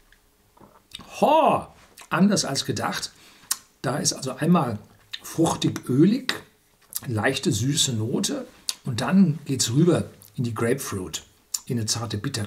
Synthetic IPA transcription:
hɔ | ʔandɐsa̰lsɡ̥əda̰χt | d̥aːɪstʔalzoʔaɪnmaːl | fʁ̥ʊçtɪkʔøːlɪç | laɪçtəzyːsənoːtʰəʔʊnt̚d̥anɡ̥eːtsʁyːbɐ | ɪndiːɡʁeɪpfluːt | ʔɪnət͡saɐtəbɪtɐ

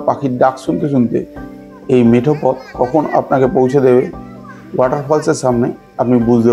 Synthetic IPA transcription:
pakʰit̚daksunt̪es̬unt̪ḛ | ejmetʰɔpɔt̪̚kɔkʰɔna̰pnakɛpoɦws̬ɔd̪ebɛ | waʈaɹpʰɔlsɛsamna | apnibuzd̪e

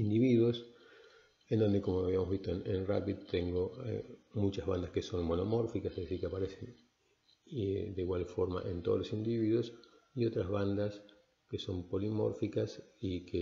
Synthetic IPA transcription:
ind̪iβiðwos | end̪o̞nd̪eko̞moaβiamoβist̪oenenra̰piðt̪eŋɡoḛmut͡ʃazβand̪askeso̞nmonomo̞ɾfikaseesiɾkeapaɾesen | d̪eiɣwalfo̞ɾma̰ʔe̞̰nt̪oðlosind̪iβiðwos | io̞t̪ɾazβand̪as | keso̞mpo̞limo̞̰ɾfikasike

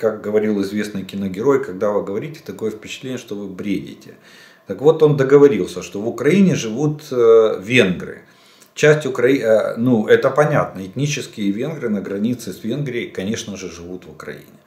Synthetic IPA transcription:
kak̚ɡəvɐɾʲilˠɪzvʲe̞snɨjkʲɪnəɡʲɪɾo̞jkɐɡd̪avɨɡəvɐɾʲitʲɪ̥t̪ɐko̞jəfpʲɪ̥t͡ɕɪt̪lʲenʲɪəʂt̪ovɨbɾʲedʲɪ̰tʲɪ | t̪əkvo̞t̪o̞nd̪əɡəvɐɾʲilˠsʲəʂt̪ovʊkɾɐinʲɪʐɨvut̪vʲe̞nɡɾɨ̰ | t͡ɕæsʲtʲʊkɾɐinuɛt̪əpɐnʲat̪nəɪt̪ʲnʲit͡ɕɪskʲɪjəvʲe̞nɡɾɨnəɡɾɐnʲit̪sɨsvʲe̞nɡɾʲɪjɪkɐnʲe̞ʂnəʐɨʐɨvut̪vʊkɾɐ̰ḭnʲɪ

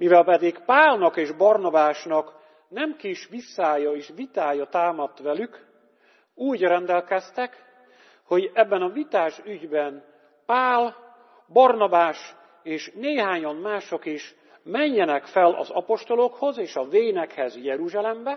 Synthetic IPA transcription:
mivɛlpɛd̪ikpaːlnɒkeːʒbɒrnɒbaːʃnɒk | nɛmkiʃʋisːaːjɒeːʃvit̪aːjɒt̪aːmɒt̪ːʋɛlyk | uːɟrɛnd̪ɛlkɛst̪ɛk | ho̞ɟɛbːɛnɒvit̪aːʃyɟbɛn | paːl | bɒrnɒbaːʃ | eːʃneːɦaːɲɒnmaːʃo̞kiʃ | mɛɲːɛnɛkfɛlʔɒ̰zɒ̰po̞ʃt̪o̞lo̞kho̞zeːʃɒveːjnɛkhɛzjɛɾuʒaːlɛmbɛ

